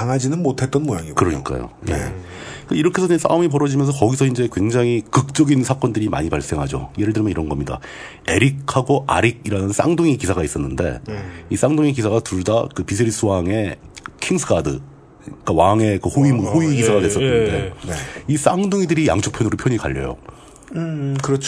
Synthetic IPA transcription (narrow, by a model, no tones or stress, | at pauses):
kaŋɦad͡ʑinɯnmotʰe̞t͈̚ʌnmojaŋikɯɾʌɲḭk͈a̰jo̰je̞̰ | kiɾʌkʰesʰʌsʰa̰umip̬ʌɾʌd͡ʑimjʌns̬ʰʌkʌɡisʰʌind͡ʑe̞kwe̞ŋd͡ʑaŋikɯk̚t͡ɕ͈ʌɡinsʰak͈ʌndɯɾima̰ɲipaɭs͈e̞ŋɦad͡ʑo̰jeɾɯɭdɯɾimʌniɾʌnɡʌmɲida̰ | e̞ɾik̚ʰaɡoʔa̰ɾiɡ̚iɾanɯns͈a̰ŋduŋikisʰaɡais͈ʌnːɯnde̞̰is͈aŋdoŋik̬isʰaɡatuɭdakɯpis̬ʰeɾis͈ʰɯwaŋe̞kʰiŋsʰɯɡadɯ | k͈awaŋe̞kɯhoimuhoikisʰaɡadwe̞s͈ʌnɯnde̞is͈aŋduŋidɯɾija̰ŋt͡ɕʰuk̚pʰjʌnuɾɯpʰjʌɲika̰ʎːʌ̰jo̰ | kɯɾʌt͡ɕʰ